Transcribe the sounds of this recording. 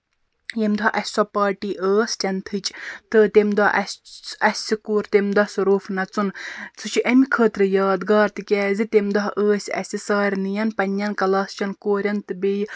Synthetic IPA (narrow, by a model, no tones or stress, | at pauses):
jemd̪ɔʔɐsʲsɔpaːʈiːʔəːstʲɐnt̪ʰɨt͡ʃʼt̪ɨt̪emd̪ɐʔɐ̰sɐsʲikuːɾt̪emd̪ɐsuɾoːfnɐt͡sunt͡sʰut͡ʃʰiʔɐmʲikʰəːt̪ɾɨjɑːd̪ɡaːɾt̪ɨkʲɛːzit̪emd̪ɐɦʔəːsʲɐ̰sʲisaːɾʲnɨjɐnpɐnʲjɐnkɐlaːst͡ʃʲɐnkoːɾʲɐnt̪ɨbej